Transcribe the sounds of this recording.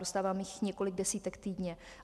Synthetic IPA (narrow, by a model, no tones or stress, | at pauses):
ɾost̪aːvaːmjɪxɲɛko̞lɪɡ̚dɛsiːt̪ɛkt̪iːdɲɛ